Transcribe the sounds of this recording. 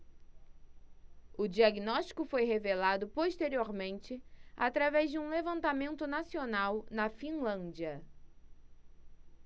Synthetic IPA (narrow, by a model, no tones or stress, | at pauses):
ʊd͡ʒiaɡinɔʃt͡ʃi̥kʊfojɦevelad̪ʊpoʃt̪eɾioɾmẽnt͡ʃɪa̰t̪ɾavɛzd͡ʒɪũlevɐ̃nt̪amẽnt̪ʊnasionawnɐfĩlɐ̃nd͡ʒiɐ